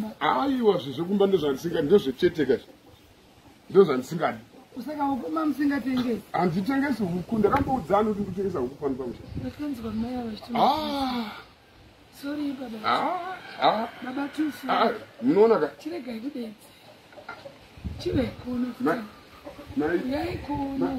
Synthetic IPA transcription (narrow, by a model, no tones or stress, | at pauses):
aiwaʐiʐek̬umbandoʐandisiŋɡaindoʐet͡ʃetekaʐ | ndoʐandisiŋɡaɗisakamuk̬umbamusiŋɡateŋɡesiandit̬e̞ŋɡesiɦukundakambaud͡zanikut̬indut̬eŋɡes̬aɦukupanukwamuʃaakanzɡwamaiaʋat͡ʃi̥tima | soɾiɓaɓaaaɓaɓatusumuno̞ːnakat͡ʃiɾeɡʱaikuɗed͡zi̥ | t͡ʃiʋeikonatia | najaikona